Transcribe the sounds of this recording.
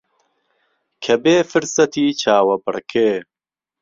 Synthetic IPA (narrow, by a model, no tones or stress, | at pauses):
kʰɐbeːfɨɾsɐt̪ʰiːt͡ʃʰaːwɐbɨɽkʰeː